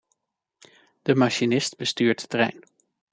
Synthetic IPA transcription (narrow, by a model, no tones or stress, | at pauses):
d̥əmaʃinɪstbəstyːɹtə̥trɛ̰jn